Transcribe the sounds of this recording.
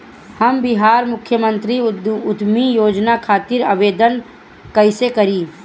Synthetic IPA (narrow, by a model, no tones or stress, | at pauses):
hɐmbɪɦaːɾmʊkʰjəmə̃nt̪ɾiʊd̪mijoːd͡ʒnakʰaːt̪ɪɾəʋeːd̪ən | kəɪsekɐɾiː